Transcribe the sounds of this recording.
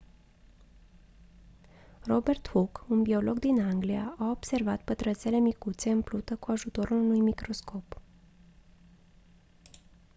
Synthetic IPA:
ro̞be̞rt̪hukunbio̞lo̞ɡd̪inaŋɡliaʔao̞bse̞rvat̪pət̪ɾət̪sele̞mikut̪se̞ɨmplut̪əkuaʒut̪o̞ɾulunujmikɾo̞sko̞p

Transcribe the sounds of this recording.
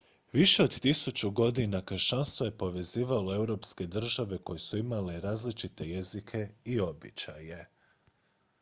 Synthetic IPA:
ʋiʃe̞o̞d̪t̪isut͡ɕuɡo̞d̪inakəɾʃanst̪ʋo̞je̞po̞ʋe̞ziːʋalo̞e̞wɾo̞ːpske̞d̪r̩ʒaʋe̞ko̞jesuimaleɾaːzlit͡ʃit̪e̞je̞zikʰe̞io̞bḭt͡ʃaje̞

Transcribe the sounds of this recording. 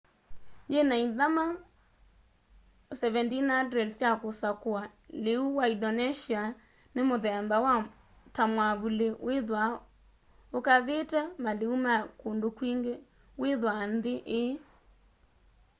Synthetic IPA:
d͡ʒenaiðama | sɛβɛntinadɾɛdsjakosakoaleuwaidɔnɛʃia | nemoðɛmbawa | tamwaβuleweðwa | okaðetɛmaleumakondokwiːŋɡe | weðwanðeʔe

